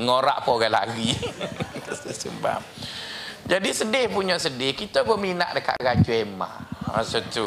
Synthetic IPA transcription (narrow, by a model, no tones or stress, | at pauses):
ŋoɾa̰ʔpoɡala̰ɡi | t̪əst̪əsəmba̰m | d͡ʒadisədɪhpuɲaʔsədɪhkit̪abəmina̰ʔdəka̰ʔɡad͡ʒuema̰ma̰sot̪u